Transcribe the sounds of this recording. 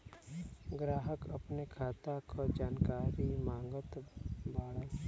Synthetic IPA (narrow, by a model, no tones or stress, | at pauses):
ɡɾaːɦəkəpnekʰaːt̪akʰod͡ʒaːnkaːɾimãːŋɡət̪baːɽa